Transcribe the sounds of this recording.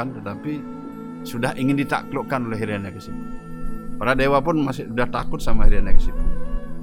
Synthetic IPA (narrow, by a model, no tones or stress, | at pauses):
ant̪ət̪api | sudahʔiŋɪndit̪a̰klɔʔkanolɛɦiɾianakəsim | paɾadewapʊnmasɪhudaht̪akʊt̪̚samahiɾianakəsiku